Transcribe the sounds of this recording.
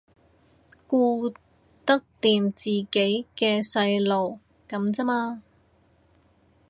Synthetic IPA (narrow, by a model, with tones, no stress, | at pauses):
kuː˧ | t̪ɐ˥k̚t̪iː˨mt͡siː˨˩ke˨˥jkɛː˧sɐ˧jlo˨w | kɐ˨˥mt͡sɐ˥maː˧